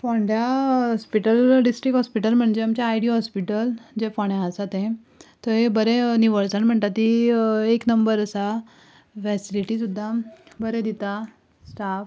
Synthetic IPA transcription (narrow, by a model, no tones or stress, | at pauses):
fɔɳɖjaɔspiʈəlɖisʈɾikɦɔspiʈəlm̤əɳd͡ʑeamt͡ɕjaːjɽiɦɔspiʈəld͡ʑefɔɳaasat̪ẽ | t̪ɔɦebəɾeniʋəɾsəɳm̤əɳt̪at̪ːieknəmbəɾəsa | fɛsiliʈisud̪ʱːabəɾed̪it̪a | sʈaf